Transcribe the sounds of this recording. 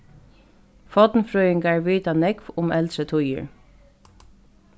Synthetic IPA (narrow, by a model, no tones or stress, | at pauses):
fɑd̪n̩fɹœʏɪŋɡæːɹʋiːt̪ɑnɛɡʋʊmʔɛlsət̪ʰʊjə̰ɹ